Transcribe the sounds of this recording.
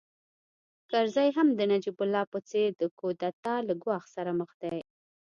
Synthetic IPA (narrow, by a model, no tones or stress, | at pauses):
kaɾzɑjɦamd̪ənad͡ʒibʊlːɑpət͡seɾd̪əkod̪at̪ɑlaɡwɑxsaɾaməxd̪aj